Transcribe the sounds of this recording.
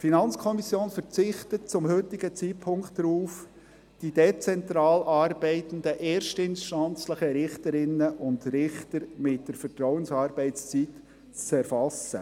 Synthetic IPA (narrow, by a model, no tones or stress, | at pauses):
finɑnt͡skʰɔmisjoːnfəɾt͡sɪχt̪ət̚t͡sʊmhøtɪɡ̥ət͡sitpʰʊŋktdɾuːf | d̥idet͡sɛntɾɑːlʔɑːɾbɛɪt̪ən̩d̪əʔɛːɾʃtɪnʃtɑnt͡sləχəɾɪχtəɾɪnːəʔʊndrɪχtəɾmɪt̚d̥əɾfəɾtɾɔwənsɑːɾbɛɪtt͡st͡sit | t͡st͡sɛɾfɑsə̰